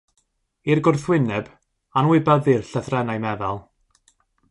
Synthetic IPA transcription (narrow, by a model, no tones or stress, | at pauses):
irɡʊrθwɪnɛb | anwɪbaðirɬəθrɛnajmɛðalˠ